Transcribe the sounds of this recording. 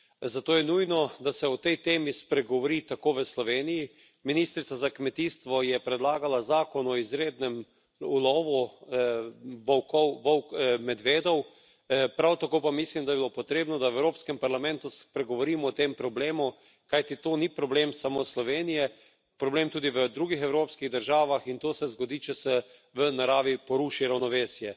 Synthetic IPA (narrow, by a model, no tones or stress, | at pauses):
zat̪oːjɛnujnɔd̪asɛɔt̪ɛjt̪eːmispɾɛɡɔʋɔɾit̪akoːʋəslɔʋeːniji | minist̪ɾit̪sazakmɛt̪iːst̪ʋɔjɛpɾɛd̪laːɡalazaːkɔnɔizɾeːd̪nɛm | ulɔːʋu | ʋɔwkɔwʋɔwmɛd̪ʋeːd̪ɔw | pɾawt̪akoːpamislimd̪ajbiloːpɔt̪ɾeːbnɔd̪aɛwɾoːpskɛmpaɾlamɛ̃nt̪uspɾɛɡɔʋɔɾiːmɔːt̪empɾɔbleːmu | kajt̪it̪oːnipɾɔbleːmsamoslɔʋeːnijɛ | pɾɔbleːmt̪uːd̪iʋəd̪ɾuːɡixɛwɾoːpskiɣd̪əɾʒaːʋaxint̪oːsɛzɡɔd̪iːt͡ʃɛsɛʋənaɾaːʋipɔɾuːʃiɾawnɔʋeːsjɛ